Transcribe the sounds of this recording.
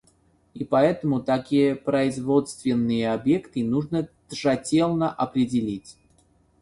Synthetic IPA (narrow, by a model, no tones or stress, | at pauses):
ipɐɛt̪əmʊt̪ɐkʲijəpɾəɪzvo̞t̪st̪vʲɪnːɨjəɐbjekt̪ɨnuʐnəd̪̥ʐɐtʲelˠnəʔɐpɾʲɪdʲɪlʲitʲ